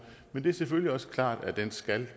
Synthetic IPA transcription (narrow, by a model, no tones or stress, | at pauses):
mend̥e̝æɐsefølliɒ̽sə̥kʰlɑ̰̈ːd̥æd̥ensɡ̥æl